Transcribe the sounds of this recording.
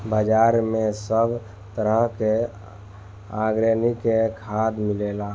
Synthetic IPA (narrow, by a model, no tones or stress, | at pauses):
bəd͡ʒaɾmẽsəbʱ | t̪əɾəɦke | aɡɾənikekʰad̪milela